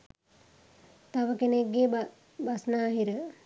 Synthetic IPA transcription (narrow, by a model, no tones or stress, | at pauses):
t̪aʋəkeneɡːeː | basnaːɦiɾə